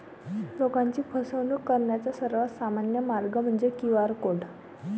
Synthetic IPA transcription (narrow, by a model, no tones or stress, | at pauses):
lokãɲt͡ɕiːpʰəsəʋnukːəɾɳjat͡sasəɾʋasamanjəmaɾɡəm̤əɳd͡zekiʋaɾkoɽ